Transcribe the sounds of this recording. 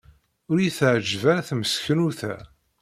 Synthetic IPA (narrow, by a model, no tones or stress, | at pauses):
ʊɾjiθʕəd͡ʒvæθməsçənuθæ̰